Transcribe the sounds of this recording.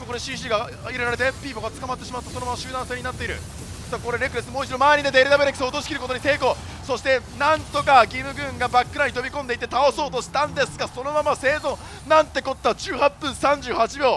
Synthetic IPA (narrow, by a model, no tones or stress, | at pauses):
moko̞ɾeɕĩɕ̬iɡa | iɾeɾaɾe̞t̪e̞pʲiːpo̞ɡat͡sɨ̥kamat̪ːe̞ɕimat̪ːosonomamaɕɨːd̪ãse̞ːɲinat̪ːe̞iɾɯ̟̰ | sako̞ɾe̞ɾe̞kɯ̟ɾesɨmo̞ːit͡ɕid̪o̞maeɲ̟id̪ed̪eɾɯ̟d̪abeɾeki̥sot̪o̞ɕi̥kʲiɾɯ̟ko̞t̪o̞ɲit̪e̞ːko̞ː | so̞ɕi̥t̪e̞nãnt̪o̞kaɡʲiːmɯ̟ɡɯ̟̃ŋɡabakːɯ̟ɾaɲ̟it̪o̞bʲikõ̞nd̪e̞it̪ːe̞t̪ao̞so̞ːt̪o̞ɕi̥t̪ãnd̪e̞sɨɡaso̞no̞mamase̞ːzõ | nãnt̪ːe̞ko̞t̪ːat͡ɕɨːhapːɯ̟̃ɰsãɲ̟d͡ʑɨːhat͡ɕibʲjo̞ː